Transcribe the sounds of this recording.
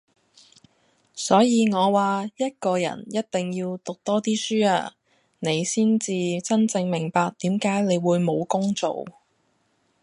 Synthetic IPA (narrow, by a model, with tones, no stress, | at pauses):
sɔː˨˥jiː˨˧ŋɔː˨˧waː˨jɐ˥t̚kɔː˧jɐ̰˨˩njɐ˥t̚t̪ɪ˨ŋjiː˧wt̪ʊ˨k̚t̪ɔː˥t̪iː˥syː˥aː˧ | ne˨˧jsiː˥nt͡siː˨t͡sɐ˥nt͡sɪ˧ŋmɪ˨˩ŋpaː˧k̚t̪iː˨˥mkaː˨˥jne˨˧jwuː˨˧jmo˨˧wkʊ˥ŋt͡so̰˨w